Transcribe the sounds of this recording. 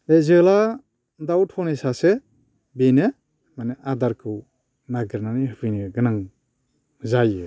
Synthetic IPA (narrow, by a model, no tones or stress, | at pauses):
ezɯla | dawtʰɔnesase | bene | maneʔadaɾkʰɯw | naɡəɾnanihɯpʰɯjniɡɯnaŋ | zajɯ